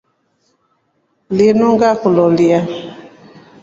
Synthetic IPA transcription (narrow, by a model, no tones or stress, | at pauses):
lenoŋɡakulɔlia